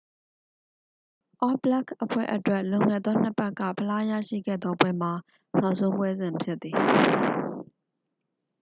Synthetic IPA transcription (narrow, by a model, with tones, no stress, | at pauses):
ʔɔ˦bla˦kʰʔəpʰwɛ̰˦˨ʔətwɛ˦˨lʊ̃˨ŋɛ˨d̪ɔ˦n̥ə˦pɛ˦kːä̰˦˨pʰəla˦ja̰˦˨ʃḭ˦˨ɡɛ̰˦˨d̪ðɔ˦pwɛ˦m̥a˨ | n̥a˦ʊʔsʰõ˦ʊ̃bwɛ˦zɪ̃˨məpʰjɪ˦t̪θi˨